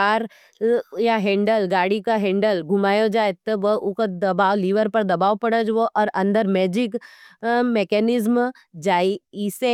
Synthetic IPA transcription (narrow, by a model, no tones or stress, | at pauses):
aːɾ | jaɦɛ̃ːɳɖəlɡaːɽikaɦɛ̃ːɳɖəlɡʱʊmaːjod͡ʒaːet̪ɔʋəʊkod̪ɐbaːʋliːʋəɾpɐɾd̪ɐbaːʋpɐɽəd͡ʒʋoʔɔːɾɐ̃nd̪əɾmɛːd͡ʒɪk | meːkɛnɪzm | d͡ʒaːiɪse